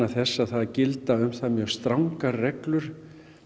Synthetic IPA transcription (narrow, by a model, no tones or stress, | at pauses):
aθɛsːaðθaðcɪlt̪aʏmθaðmjœɣst̪ɾawŋkarɛklʏɾ̥